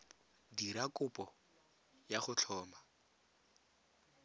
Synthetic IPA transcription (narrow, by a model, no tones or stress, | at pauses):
diɾakʼʊpʼɔ | jaχʊt͡ɬʰɔːma